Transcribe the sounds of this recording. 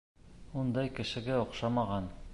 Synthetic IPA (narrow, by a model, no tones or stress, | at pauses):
und̪ɑjkɘ̆ʃɘ̆ɡæŏqʃɑmɑʁɑn